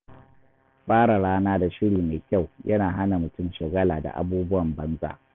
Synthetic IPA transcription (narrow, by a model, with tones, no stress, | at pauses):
ɸaː˦ɽa˨ɽaː˦naː˦da˨ʃɪ˦ɽiː˨meː˨kʲʼa˦˨wjʔɐ˦naː˨ɦa˦na˨mʊ˨tʊ˦˨mʃɐ˨ɡɐ˦laː˨da̰˨ʔa̰˦buː˦bʊ˦wɐ˨mbɐ˦nza̰ː˨